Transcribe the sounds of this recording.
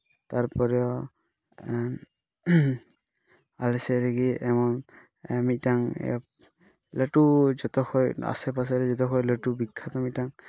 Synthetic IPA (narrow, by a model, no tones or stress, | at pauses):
t̪aɾpɔɾɔ | alɛsɛɾeɡiɛmɔn | mitaŋ | laʈud͡ʒɔt̪ɔxʰɔja̰sɛpas̬ɛɾɛd͡ʒɔt̪ɔkʰɔjləʈubikʰːat̪ɔmitaŋ